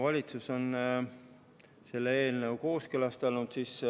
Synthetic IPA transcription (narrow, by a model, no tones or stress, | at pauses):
vɑlʲit̪suso̞n | se̞lːeeːlnəwko̞ːskølɑst̪ɑlnut̪sis